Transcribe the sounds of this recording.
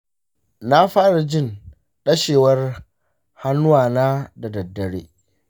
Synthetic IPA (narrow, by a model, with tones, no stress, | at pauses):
na˦ɸaː˦ɽa˨d͡ʒɪ˦˨n | ɗɐ˦ʃeː˨wɐ˦r | ha˦nːʊ˦waː˨naː˦da˨dɐ˨dːɐ˨ɽḛː˦